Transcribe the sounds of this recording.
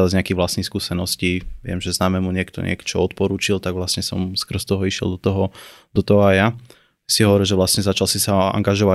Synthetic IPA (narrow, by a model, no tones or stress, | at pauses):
lazɲɛakiɣʋlasnixskuːsɛnɔsciʋɪɛ̰mʒɛznaːmɛmuɲɪɛkt̪ɔ̰ɲɪɛ̰kt͡ʃɔɔt̪pɔɾuːt͡ʃilt̪aɡʋlasɲɛsɔmskr̩st̪ɔɦɔiʃɪɛ̰lˠd̪ɔt̪ɔɦɔd̪ɔt̪ɔɦɔaja | siɦɔʋɔɾilˠʒɛʋlasɲɛzat͡ʃalsisaa̰ŋɡaʒɔʋa